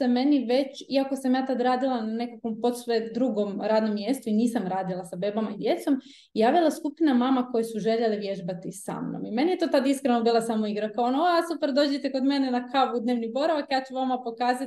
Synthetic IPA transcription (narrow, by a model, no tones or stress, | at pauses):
eme̞niʋe̞t͡ɕiako̞samjaːt̪ad̪ɾaːd̪ilˠanane̞kakʋo̞mpo̞t̪sʋed̪ɾuɡo̞mɾaːd̪no̞mːje̞ːst̪uiniːsamɾaːd̪ilˠasabe̞ːbamaid̪je̞t̪so̞m | ijaːʋilˠaskupinamamako̞jesuʒe̞ʎeliʋje̞ʒbat̪isa̰mno̰mime̞nijet̪o̞ːt̪ad̪iskɾenobiːlˠasamo̞iɡɾakaonooasupeɾd̪o̞ːd͡ʑet̪eko̞d̪me̞nenakʰaʋud̪neːʋnibo̞ɾaʋakjaːt͡ɕuʋamapo̞kaːza